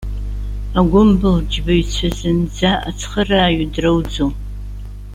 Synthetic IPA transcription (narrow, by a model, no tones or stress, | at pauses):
aɡʷʊmbɨld͡ʒbɐɥt͡sʰɐzɨnd͡zaːʔɐt͡sʰχɐraːjʊdrɐwd͡zoː